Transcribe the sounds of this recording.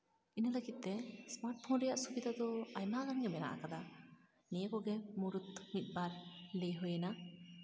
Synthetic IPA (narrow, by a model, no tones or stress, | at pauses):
iniləɡit̪̚ːɛsmaɾʈ̚pʰɔnɾɛjaʔsubid̪ad̪ɔajmaɡanɡɛmɛna̰ʔa̰kad̪a | nijəkɔɡɛmuɾut̪mit̪̚baɾlejɦɔjena